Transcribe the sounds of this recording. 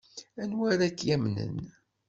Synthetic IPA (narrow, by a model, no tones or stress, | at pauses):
ænwæɾækːjæmnə̰n